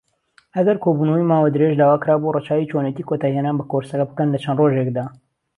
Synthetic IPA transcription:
hɐɡɐɾkʰoːbuːnowimaːwad̪ɨɾeʒd̪aːwaːkɨɾaːborət͡ʃaːwit͡ʃonecikʰot̪aːjihenaːnbɐkoɾsɐkɐbɨkənlɐt͡ʃʰɐnroʒekd̪aː

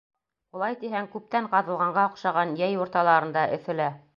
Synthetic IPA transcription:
ulˠɑjt̪iɦæŋkʉp̚t̪æɴqɑðɤ̆lˠʁɑɴɢɑŏqʃɑʁɑnjæjuɾt̪ɑlˠɑɾɤ̆nd̪ɑʔɘ̆θɘ̆læ

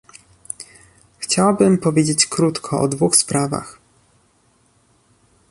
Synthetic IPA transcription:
xt͡ɕawabɘmpɔvʲjed͡ʑet͡ɕkɾut̪kʰɔʔɔ̰d̪vuxspɾava̰x

